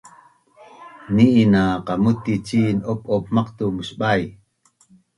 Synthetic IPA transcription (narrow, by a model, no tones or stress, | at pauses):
niʔːnaqɑmut̪it͡ʃiːnʔopʔop̚mɑqt̪umuʃɓaj